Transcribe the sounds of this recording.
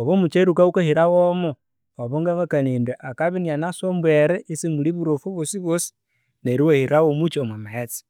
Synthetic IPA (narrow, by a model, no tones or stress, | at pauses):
oβomut͡ʃeɾukaukahiɾawomo | oβoŋɡaβakanindweʔakaβinianasombweɾeisimuliβuɾofuβwosiβwosi̥ | neɾiwahiɾawomut͡ʃomwamaet͡si̥